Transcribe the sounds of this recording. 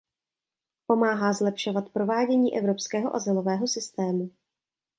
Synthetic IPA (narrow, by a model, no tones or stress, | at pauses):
po̞maːɦaːzlɛpʃo̞vat̪pɾo̞vaːɟɛɲiːʔɛvɾo̞pskɛːɦo̞ʔazɪlo̞vɛːɦo̞sɪst̪ɛːmu